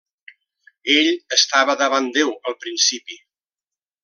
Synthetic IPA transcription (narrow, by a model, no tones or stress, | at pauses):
eʎəst̪aβəðəβand̪ewəlˠpɾinsipi